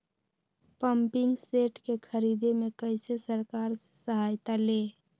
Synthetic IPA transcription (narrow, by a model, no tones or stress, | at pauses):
pəmpɪŋɡseʈkekʰəɾid̪emekəɪsesəɾkaːɾse̥səɦajt̪aleː